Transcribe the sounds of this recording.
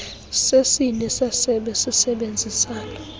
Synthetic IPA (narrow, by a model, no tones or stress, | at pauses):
sesinɛsasɛɓɛsisɛɓend͡zʱisaːlɔ